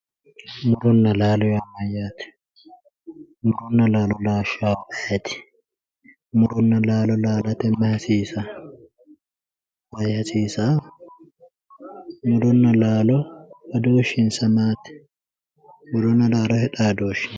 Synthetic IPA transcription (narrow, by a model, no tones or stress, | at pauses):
mʊɾʊnːɐlaːlɔjɐmːɐjːaːt̪ɛ̥ | mʊɾʊnːɐlaːlɔlaːʃaːwʔɐɛt̪ɪ̥ | mʊɾʊnːɐlaːlɔlaːlɐt̪ɛmːɐhɐsiːsa | wɐjhɐsiːsa | mʊɾʊnːɐlaːlɔbɐd̪oːʃɪnsɐmaːt̪ɪ̥ | mʊɾʊnːɐlaːlɔhɛᶑaːd̪oːʃɪn